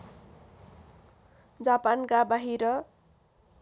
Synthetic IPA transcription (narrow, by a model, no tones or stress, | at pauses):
d͡zapankabaɦiɾʌ